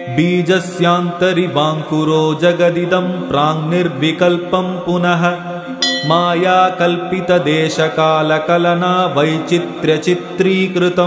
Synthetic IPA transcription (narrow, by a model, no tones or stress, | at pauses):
biːd͡ʒɐsjaːnt̪ɐɾibaːŋkuɾoːd͡ʒɐɡɐd̪id̪ɐmpɾaːŋniɾʋikɐlpɐmpunɐɦɐ̆ | maːjaːkɐlpit̪ɐd̪eːʃɐkaːlɐkɐlɐnaːʋɐjt͡ʃit̪ɾjɐt͡ʃit̪ɾiːkɾɪt̪ɐ